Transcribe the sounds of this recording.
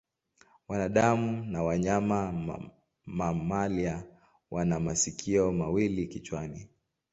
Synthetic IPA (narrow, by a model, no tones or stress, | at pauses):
wanaɗamunawaɲama | mamalia | wʔanamasikʰiɔmawilikit͡ʃwani